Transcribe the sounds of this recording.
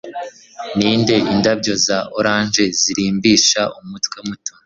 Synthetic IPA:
niːnde̞ʔindabɟo̞zaʔoɾaːnʒe̞ziɾiːmbiːʃaʔumutwemuto

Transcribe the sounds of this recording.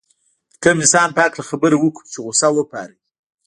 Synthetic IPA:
d̪əkamɪsɑnpəaklaxabəɾewəkut͡ʃeɣʊsawəpɑ̰ɾi

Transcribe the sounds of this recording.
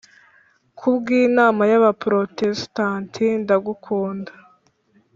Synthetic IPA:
kʰubɡiːnaːmajaβapɾotestantʰindaɡukʰuːnda

